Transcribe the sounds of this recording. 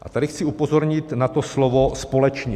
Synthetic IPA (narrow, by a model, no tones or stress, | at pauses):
ʔa̰t̪adɪxt͡siupozoɾɲɪt̪nat̪oslovospolɛt͡ʃɲɛ